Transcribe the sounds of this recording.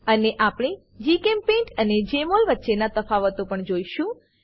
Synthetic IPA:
əneʔapɽ̃e | d͡ʒikempẽɳʈəned͡ʒemolʋətːʃenat̪əfaʋət̪opəɳd͡ʒoiʃũ

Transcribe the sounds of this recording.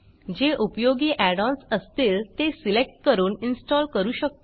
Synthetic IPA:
d͡ʑeʔupjoɡiːʔæɽɔ̃nsəst̪eːlt̪esilek̚ʈ̚kəɾuːninsʈɔlkəɾuːɕək̚t̪o

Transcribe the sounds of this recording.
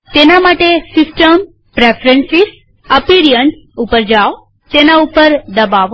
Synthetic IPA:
t̪enamaʈesɪsʈəm | pɾefʰɾə̃nsis | əpiɾijəɳs | upəɾd͡ʒao | t̪enaupəɾd̪əbaʋ

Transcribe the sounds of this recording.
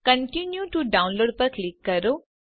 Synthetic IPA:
kə̃ɳʈinjuʈuɖãʊ̃nloːɖ̚pɐɾklikːɐɾo

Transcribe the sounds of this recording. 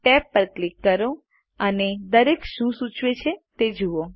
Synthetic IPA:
ʈɛpːəɾklikːəɾo | əned̪əɾekʃũsut͡ʃʋet͡ʃʰet̪ed͡ʒuo

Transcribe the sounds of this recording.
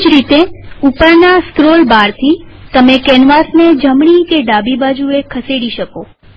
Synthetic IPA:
d͡ʒɾit̪eupəɾnaskɾolbaɾt̪ʰit̪əmekɛnʋasned͡ʒəmɳikeɖabibad͡ʒuekʰəseɽiʃəko

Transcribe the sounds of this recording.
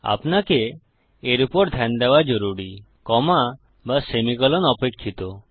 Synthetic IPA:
a̰pnake | eɾupɔɾd̪ʱɛnd̪ewad͡ʒoɾuɽi | kɔma | basemikɔlɔnɔpekʰːit̪ɔ

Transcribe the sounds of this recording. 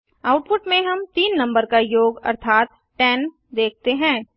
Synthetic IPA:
aːʊʈ̚pʊʈmẽɦɐmt̪iːnːɐ̃mbəɾkajoːɡɐ̰ɾt̪ʰaːt̪ | ʈɛːn | d̪eːk̚t̪eɦɛ̃ː

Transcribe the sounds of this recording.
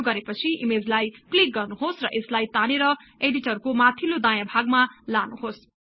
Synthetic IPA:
ɡʌɾepʌt͡sʰiʔimed͡zlajplik̚ɡʌrnuɦosrʌʔeslajt̪aneɾʌeɖiʈʌrkomat̪ʰilod̪ajabʱaɡmalanuɦos

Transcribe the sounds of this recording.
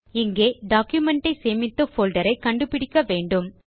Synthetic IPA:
ɪŋɡeːɖaːkjʊmɛɳʈɐɪseːmɪt̪ːɐfoːlɖɐɾɐɪkɐɳɖɯpɪɽɪkːɐʋeːɳɖɯm

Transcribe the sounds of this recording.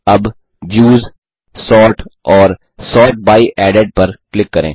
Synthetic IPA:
ɐb | ʋjuːz | sɔːɾʈɔːɾ | sɔːɾʈ̚baːiʔɛːɖeɖ̚pɐɾklɪkːɐɾḛ̃ː

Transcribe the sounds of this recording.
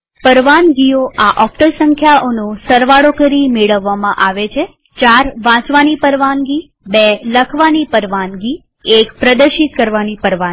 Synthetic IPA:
pəɾʋanɡioaʔɔk̚ʈəɾsəŋkʰjaonosəɾʋaɽokəɾimeɭəʋːamãʔaʋet͡ʃʰe | t͡ʃaɾʋãt͡ʃʋanipəɾʋanɡi | bɛləkʰʋanipəɾʋanɡi | ekpɾəd̪əɾʃit̪̚kəɾʋanipəɾʋa

